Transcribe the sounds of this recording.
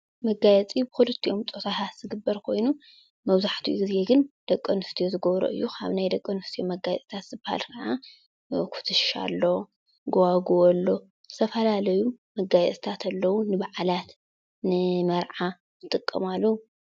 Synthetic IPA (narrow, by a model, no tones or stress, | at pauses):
mɐɡajɛt͡sʼibɨxulɨt̪ʰːiʔo̞mt͡sʼo̞t̪ʰat̪ʰat̪z̥ɨɡɨbːɐɾkʰo̞jnu | mɐβzaħt̪ʰijuɡize̞ɡɨnd̪̥ɐkʼːɐnɨft̪ʰijozɨɡɐβɾo̰ʔɨ̰jːukʰa̰βnajd̪ɐkʼːɐnɨft̪ʰiomɐɡajɛt͡sʼt̪ʰat̪z̥ɨbaha̰lkʰɐʕa | kʰu̥t̪ʰɨʃa̰lːo̞ | ɡowaɡuɔlːo̞ | zɨt̪ʰɐfɐlalɐjumɐɡajɛt͡sʼt̪ʰat̪ʰɐlːɐwunɨbaʕalat̪ | nɨmɐɾʕa | zɨt̪ʼɨkʼːɐ̰malːɐwu